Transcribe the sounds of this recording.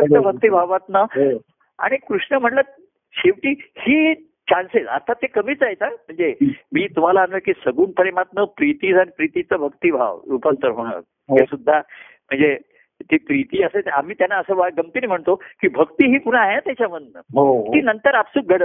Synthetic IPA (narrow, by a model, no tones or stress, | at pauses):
t͡səbʱək̚t̪ibʱaʋat̪nə | a̰ɽ̃ikɾuʂɳəm̤əɳlə | ɕeʋʈiːhiː | t͡ɕanset͡sə̰t̪ʰːat̪ekəmiːt͡saɦet͡sam̤əɳd͡zemiːt̪um̤alaːnʋəkiːsəɡuːnpəɾemat̪̚nəpɾit̪id͡zanipɾit̪it͡səbʱəkt̪iːbʱa̰ʋupənt̪əɾɦoɽ̃ə̰ | esud̪ʱːa | m̤əɳd͡ze | t̪epɾit̪iːəseam̤iːt̪janːaəsəːʋaɡəmt̪iːnim̤əɳt̪okiːbʱəkt̪iːɦiːpuɽ̃aaɦeat̪jat͡ɕaməd̪nə̰ɦokiːnənt̪əɾapsuːk̚ɡʱəɽət̪